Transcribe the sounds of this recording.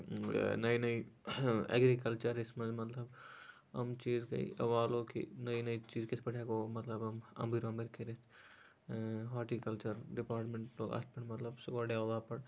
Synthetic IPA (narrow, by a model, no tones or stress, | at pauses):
nɐinɐi | ɛ̰ɡɾikɐlt͡ʃəɾɪsmɐ̃zmɐt̪ləb | ɐ̰mt͡ʃiːzkɐ̰ḭɐ̰ʋaːlõkḭnɐinɐit͡ʃiːzkespɐʈʰekomɐt̪ləbɐmɐ̰̃mbiɾõmbɪɾkʰeɾɪs | ɦaːʈikɐlt͡ʃəɾɖɪpaːɾʈmẽɳʈloːɡa̰spɐʈmɐt̪ləbsʊkoɖjaːlaːpɐɽ